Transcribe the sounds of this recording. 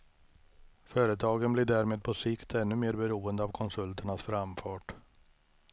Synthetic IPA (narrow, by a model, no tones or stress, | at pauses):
fœːɾət̪ʰɑːɡənblɪɖæːɾmeːd̪̚pʰɔsɪkt̪ʰɛnːɵmeːɾbɛɾuːənd̪əavkʰɔnsɵlt̪ʰəɳasfɾamfɑːʈ